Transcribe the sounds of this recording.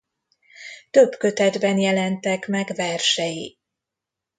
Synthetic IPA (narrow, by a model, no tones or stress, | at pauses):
t̪øbkø̞t̪ɛd̪bɛnjɛlɛnt̪ɛkmɛɡvɛrʃɛji